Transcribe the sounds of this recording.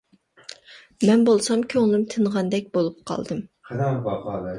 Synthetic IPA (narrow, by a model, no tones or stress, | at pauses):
mɛnbolˠsɑmkʲʰøŋlˠɨmt̪ʰɨnʁɑnd̪ɛk̚ʲbolˠup̚qʰɑ̰lˠd̪ɨmqʰɛd̪ɑmbɑpɑd̪